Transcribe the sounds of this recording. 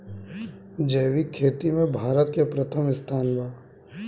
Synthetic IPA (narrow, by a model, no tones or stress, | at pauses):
d͡ʒəːʋikʰːeːt̪imẽbʱaːɾət̪̚kepɾɐt̪ʰəmɪst̪ʰaːnʋaː